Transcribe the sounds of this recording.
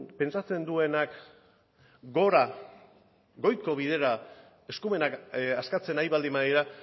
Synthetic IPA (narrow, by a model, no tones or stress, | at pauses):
pe̞nt͡sat͡se̞nd̪ue̞nak | ɡo̞ɾa | ɡo̞jko̞β̞ið̞e̞ɾa | e̞skume̞nakaskat͡se̞najβald̪imaiɾa